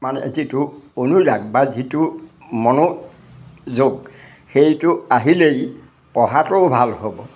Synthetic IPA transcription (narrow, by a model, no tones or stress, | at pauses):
manɛḛzitʊonuzaɡ̚bazitʊ | mɔno | zoɡ | xejtʊaɦilej | pɔɦatʊbʱalhobɔ